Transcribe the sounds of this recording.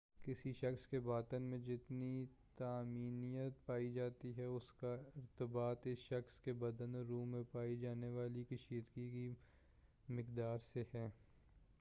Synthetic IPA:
kɪsiʃɐxskebaːt̪ənmẽd͡ʒɪt̪nit̪aːmiːnijət̪paːid͡ʒaːt̪iɦɛʊskaɪɾt̪əbaːt̪ɪsʃɐxskebɐd̪ənɾuːmẽpaːid͡ʒaːneʋaːlikɐʃiːd̪ɡiki | mɪkd̪aːɾseɦɛː

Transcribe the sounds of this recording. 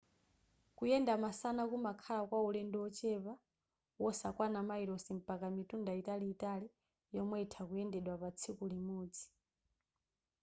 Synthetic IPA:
kujɛndamasanakumakʰalakwaulɛndɔwɔt͡ʃɛβa | wɔsakwanamaiɾɔsim̩pakamitundaitaliːtali | jɔmwɛitʰakujɛndɛɗwapat͡sʰikulimɔːd͡zi̥

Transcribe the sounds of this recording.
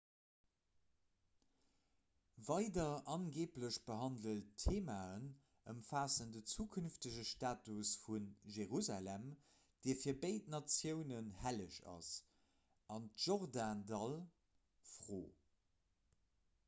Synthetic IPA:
vɑɪdɐʔɑnɡeːpləɕb̥əɦɑndəltʰːeːmaːən | əmfaːsəndət͡suːkʰynftəʑəʃtaːtusfunʒeʁuzalæm | d̥iːɐfiːɐbəɪtnɑt͡sjəʊnənhæləʃɑ̰s | ɑntʒ̥oʁdaːndɑl | fʁoː

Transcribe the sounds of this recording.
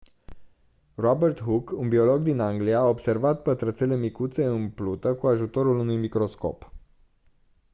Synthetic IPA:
robert̪ɦukunbio̞lo̞ɡd̪inaŋɡlijaːobse̞rvat̪pət̪ɾət̪sele̞mikut̪se̞ɨmplut̪əkuaʒut̪o̞ɾulunujmikɾo̞sko̞̰p

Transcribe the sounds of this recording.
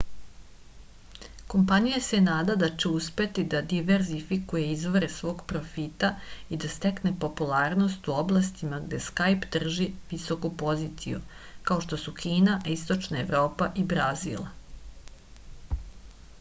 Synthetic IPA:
ko̞mpanijase̞naːd̪ad̪at͡ʃeuspe̞t̪id̪ad̪iʋe̞ɾzifikujeizʋoɾesʋo̞ːɡpɾo̞fit̪aid̪ast̪eknepo̞pulˠaːɾno̞st̪uoblˠast̪imaɡd̪e̞skajpd̪r̩ʒiʋiso̞kupo̞zit̪sḭjṵkao̞ʃt̪o̞sukʰiːnaist̪o̞t͡ʃnae̞ʋɾo̞ːpaʔibɾazḭlˠ

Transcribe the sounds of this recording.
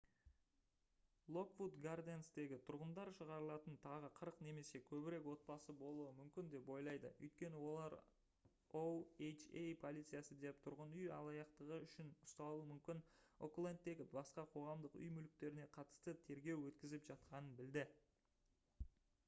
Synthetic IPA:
lˠo̞kvut̪ɡard̪ensd̪e̞ɡʲɪt̪ʰʊɾʁənd̪ɑɾʃəʁɑɾəlˠɑt̪ənt̪ʰɑʁəqʰəɾəqne̞me̞se̞kʲʰɵbɪɾe̞kwo̞t̪̚bɑsəbo̞lˠuwəmʏmkʲɪnd̪e̞pwo̞jlˠɑjd̪ə̰ɵ̰jt̪̚kʲe̞nɪwo̞lˠɑɾ | oejt͡ʃejpʰo̞lˠit̪sɨijasəd̪e̞p̚t̪ʰʊɾʁənʏjɑ̰lˠɑjɑqt̪əʁəʏʃɪnʊst̪ɑlˠuəmʏmkʲɪno̰klˠent̪ːe̞ɡʲɪbɑsqɑqʰo̞ʁɑmd̪əqʏ̰jmʏlɪk̚t̪e̞ɾɪne̞qʰɑt̪ə̥st̪ət̪ʰe̞ɾɡʲe̞wwɵt̪kʲɪzɪpʒ̥ɑt̪̚qɑnənbɪld̪ɪ

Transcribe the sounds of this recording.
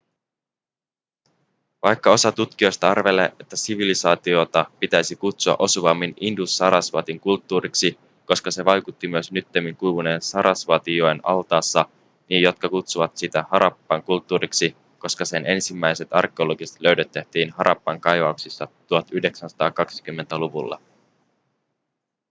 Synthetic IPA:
ʋɑjkːɑo̞sɑt̪ut̪k̟io̞jst̪ɑɑrʋe̞lḛet̪ːæsiʋilisɑːt̪iot̪ɑpit̪æjsikut̪suɑ̰ʔo̞suʋɑmːinindusːɑɾɑsʋɑ̰t̪iŋkult̪ːuːɾiksi | ko̞skɑse̞ʋɑjkut̪ːimyøsnyt̪ːemiŋkujʋuneːnsɑɾʔɑsʋɑt̪ioenɑlt̪ɑːsːɑ | nijo̞t̪̚kɑkut̪suʋɑt̪sit̪æhɑɾɑpːɑŋkult̪ːuːɾiksi | ko̞skɑse̞nʔe̞nsimːæjse̞t̪ɑ̰rk̟eolo̞ɡist̪løɥdet̪ːeht̪ːiːnhɑɾʔɑ̰pːɑŋkɑjʋɑuksisːɑt̪uɑt̪yhde̞ksænsɑ̥t̪ɑːkɑksi̥k̟ymːe̞nt̪æluʋṵlːɑ̰

